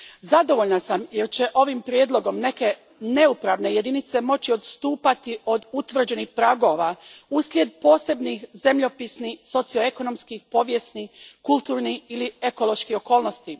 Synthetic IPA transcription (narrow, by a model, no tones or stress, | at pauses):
zad̪o̞ʋoʎnasamjeɾt͡ɕeʔo̞ʋimpɾje̞d̪lˠo̞ɡo̞mne̞ke̞ | ne̞upɾaʋne̞je̞d̪init̪se̞mo̞t͡ɕio̞d̪st̪uːpat̪io̞d̪ut̪ʋr̩d͡ʑe̞nixpɾaɡo̞ʋauslʲje̞d̪̚po̞ːse̞bnixze̞mʎo̞pisnixso̞t̪sio̞e̞kono̞mskixpo̞ːʋje̞snikult̪uːɾniilie̞ko̞lˠo̞ʃkio̞ko̞ːlno̞st̪i